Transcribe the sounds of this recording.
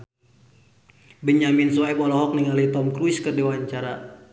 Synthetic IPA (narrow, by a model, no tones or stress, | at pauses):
bəɲaminswaipɔlɔɦɔk̚niŋalit̪ɔmkɾuiskərdɛwaɲt͡ʃaɾa